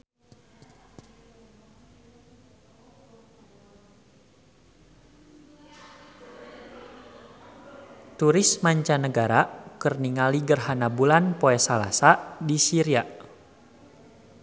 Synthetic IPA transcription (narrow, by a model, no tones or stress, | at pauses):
t̪uɾɪsmaɲt͡ʃanəɡaɾakərniŋaliɡərɦanabulanpoɛsala̰sadisiɾia